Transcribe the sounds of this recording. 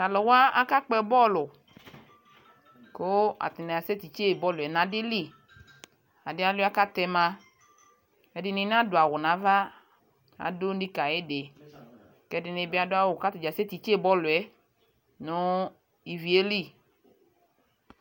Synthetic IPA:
a˨lɔ˨wa˦a˦ka˦k͡pɛ˦bɔ˦˨lʊ˨ | ko˦a̰˨t̪ɪ˨na˨a˨se˦t̪i˨t͡ʃe˦˨bɔ˦lʊ˨ɛ˨nã˨dɪ˦li˦˨ | a˨dɪ˦a˦la˦ka˦t̪ɛ˧mã˧ | ɛ˨dɪ˨nɪ̃˨n˦ã˦do˨a˨wʊ˨nã˨˦va˦ | a̰˨dʊ˦n̩˦di˦ka˨je˦de˨ | kɛ˦dɪ˨ne˨bɪ˦a˨dʊ˦a˦wʊ˨ka˦t̪i˨d͡ʒa˨se˦t̪i˨t͡ʃe˦˨bɔ˦lʊ˨ɛ˨˦ | nʊ˦ | i˨vi˨e˦li˦

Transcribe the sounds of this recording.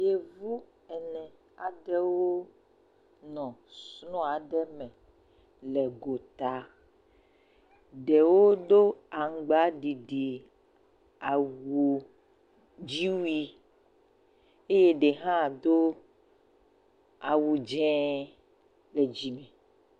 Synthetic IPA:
je˨vu˦ | ɛ˨nɛ̃˨ | a˨ɖɛ˦wo˦ | nɔ̃˨snɔ̃˦a˨ɖɛ˦mɛ̃˨ | lɛ˨ɡo˨t̪a˨ | ɖɛ˨wo˦d̪o˦a˨ŋ̩˨ɡ͡ba˨˦ɖi˨ɖi˨ | a˨wu˨ | d͡ʒi˦wi˦ | e˦je˦ɖe˨ɦã˦d̪o˦ | a˨wu˨d͡ʒɛ̃˦ | le˨d͡ʒi˨mɛ̃˨

